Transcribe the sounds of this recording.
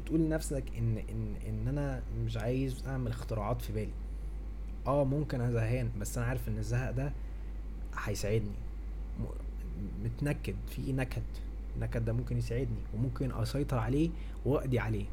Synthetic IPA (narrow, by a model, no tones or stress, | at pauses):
et̪ʔuːlːnæfsækʔenːʔenːʔenːʔænæ | meʃ̬ʕaːjezʔaʕmelext̪eɾɑʕɑːt̪fibæːli | ʔæːmomkenʔæzæɦæːnbæsːʔænæʕaːɾefʔenːezːæhæʔd̪æ | ħæjsaʕed̪nḭ | met̪nækːed̪finækæt̪ | enːækæt̪d̪æmomkenjesaʕed̪niwemomkenʔɑ̰sɑjt̪ˤɑɾʕaleː | wwæʔd̪iʕaleː